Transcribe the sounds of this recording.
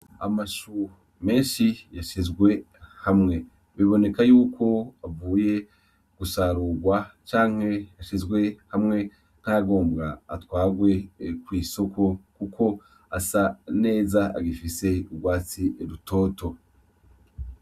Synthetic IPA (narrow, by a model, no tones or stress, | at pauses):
a̰maʃu | me̞ːnʃijaʃizɡwe̞ | hamŋe̞ | βiβo̞ne̞kajuːkʰo̞avuːje̞ | ɡ̥usaːɾuːɡwat͡ʃaːŋ̥he̞aʃizɡwe̞hamŋe̞ | n̥haɡo̞ːmbɡa̰ːtwaːɡwe̞kwiːso̞kʰo̞kukʰo̞ | asane̞ːzaa̰ɡifise̞ubɡwaːt͡sieɾutʰo̞ːto̞